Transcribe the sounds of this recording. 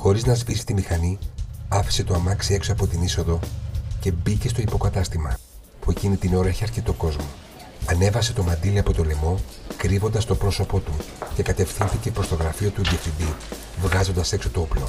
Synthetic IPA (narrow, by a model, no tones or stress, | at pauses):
xo̞ɾiznɐzvisi̥t̪imixɐniɐfi̥se̞t̪o̞ɐmɐksie̞ksoɐpo̞t̪iniso̞ðo̞ce̞bice̞st̪oipo̞kɐt̪ɐst̪imɐ | pue̞cinit̪ineo̞ɾeçeɐɾcit̪o̞ko̞zmo | ɐne̞vɐse̞t̪o̞mɐnd̪iliɐpo̞t̪o̞le̞mo̞kɾivo̞nd̪ɐst̪o̞pɾo̞so̞po̞t̪uce̞kɐt̪e̞fθinθice̞pɾo̞st̪o̞ɣɾɐfio̞t̪uðjefind̪i | vɣɐzo̞nd̪ɐse̞kso̞t̪ooplo̞̰